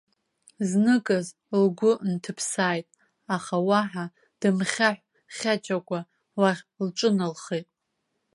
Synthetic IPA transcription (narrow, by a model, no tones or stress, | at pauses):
znɨkʼɨz | lɡʷʊntʰɨpʰsaːjtʼ | aχawaħa | d̥ɨmχʲaħʷᶣ | χʲat͡ʃʼakʷʼa | warʲlʈ͡ʂʷʼɨnalχejtʼ